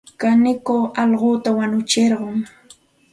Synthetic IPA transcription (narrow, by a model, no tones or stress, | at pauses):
kanɪkoɑlɢoːt̪awaɲʊt͡ʃɪɾɢʊŋ